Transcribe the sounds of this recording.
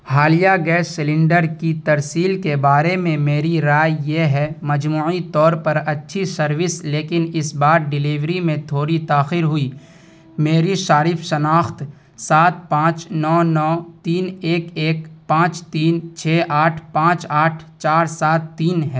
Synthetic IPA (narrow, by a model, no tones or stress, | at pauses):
haːlijaɡɛːsːɪlɪ̃ɳɖəɾkit̪ɐɾsiːlkebaːɾemẽmeːɾiɾaːjjeɦɛmɐd͡ʒmuːit̪ɔːɾpɐɾɐtːʃʰisɐɾwɪsleːkɪnɪsbaːɾ̚ɖɪliːʋɾimẽt̪ʰoːɾit̪aːxɪɾɦʊiː | meːɾiʃaːɾɪfʃɐnaːxt̪ | saːt̪̚pãːt͡ʃnɔːnɔːt̪iːneːkeːkpãːt͡ʃt̪iːnt͡ʃʰɛːʔaːʈʰpãːt͡ʃaːʈʰt͡ʃaːɾsaːt̪ːiːnɦɛː